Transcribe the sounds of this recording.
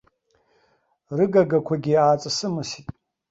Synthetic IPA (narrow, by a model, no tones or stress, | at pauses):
rɨɡaɡakʷʰaɡʲiaːt͡sʼasɨmɨsitʼ